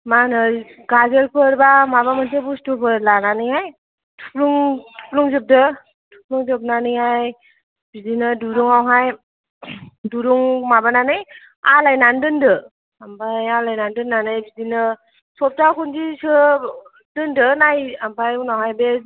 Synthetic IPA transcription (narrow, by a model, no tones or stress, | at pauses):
manɯɡazelpʰɯɾbamabamantʰebustupʰɯɾlananɯjhaj | tʰupluŋtʰu̥pluŋzɯp̚dɯ | tʰu̥p̚luŋzɯp̚nanɯjaj | bizinɯduɾuŋawɦaj | duɾuŋmabananɯj | alajnandɯndɯ | ampajalajnandɯnːanɯjbizinɯ | sɔp̚takundisɯ | dɯndɯnajambʰajunawɦajbe